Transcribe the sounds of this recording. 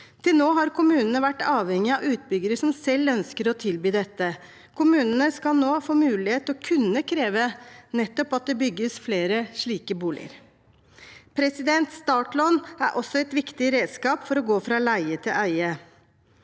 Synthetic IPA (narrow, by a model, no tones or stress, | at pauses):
t̪ʰɪlnoːɦɑɾkʊmʉːnənəʋæʈːɑːʋhɛŋɪɑʉːt̪̚bʏɡəɾəʂɔmsɛlːœnskəɾɔt̪ʰɪlbyːd̪ɛt̪ːə | kʰʊmʉːnənəskɑlnoːfoːmʉːlɪheːt̪ɔkʰʉnːəkʰɾeːʋənɛt̪ːɔpɑt̪̚d̪ɛbʏɡːəsfleːɾəʂɭiːkəbuːlɪ̰ə̰ɾ | pʰɾɛsɪd̪ɛnt̪st̪ɑːʈlɔnæɾʔɔsːɔɛɪt̪ʋɪkt̪ɪɾeːd̪skɑːpfɔɾɔɡoːfɾɑlæɪət̪ʰɪlʔæɪə